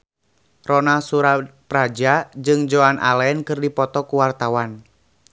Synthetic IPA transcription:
rɔnasuɾapɾad͡ʒad͡ʒɨŋd͡ʒɔanʔa̰lɛnkɨrdipɔt̪ɔkuwart̪awan

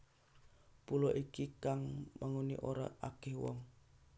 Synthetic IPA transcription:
pulɔʔikikaŋmʔaŋunḭʔoɾa̰akɛhwɔ̰ŋ

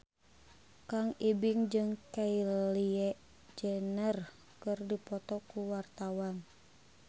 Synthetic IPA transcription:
kaŋibiŋd͡ʒɨŋkailiɛʔ | d͡ʒənər | kɨrdipɔt̪ɔkuwart̪awan

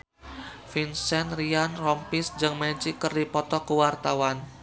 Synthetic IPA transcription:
finsɛnrianrɔmpisd͡ʒɨŋməɲt͡ʃikərdipɔt̪ɔkəwart̪awan

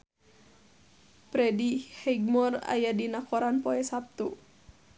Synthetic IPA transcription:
pɾɛdihɛɡ̚mɔra̰jadinakɔɾanpɔɛsap̚t̪u

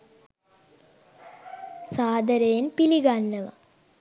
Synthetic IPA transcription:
saːd̪əɾejenpiliɡanːəʋa̰

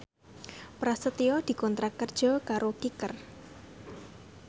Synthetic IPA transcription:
pɾasət̪iɔd̪̥i̤kɔnt̪ɾakərd̥ʒ̥ɔ̤kaɾokikər

